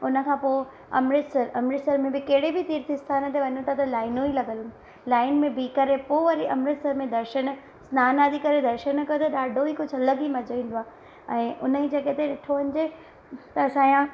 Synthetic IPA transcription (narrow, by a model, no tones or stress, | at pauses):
ʊnə̆kʰãːpoː | ɐ̰mɾɪt̪səɾʔɐmɾɪsəɾmẽbɪkɐɦɪɽebɪt̪iːɾt̪ʰist̪ʰaːnət̪ʰeʋɐɲõt̪ʰat̪ɐlaːɪnõilɐɡəlʊ | laːɪnmẽbikɐɾepoːʋɐɾiʔɐmɾɪt̪səɾmẽd̪ɐɾʃən | snaːnaːd̪ikɐɾed̪ɐɾʃənkɐjot̪ʰɐɗaːɖʱoikʊd͡ʑʱʊɐləɡimɐd͡ʑoʋĩːn̆d̪oaː | ɛ̃ːʔʊnəid͡ʑeket̪eɗɪʈʰoʋɐnɪ̆d͡ʑe | t̪ɐsãːjã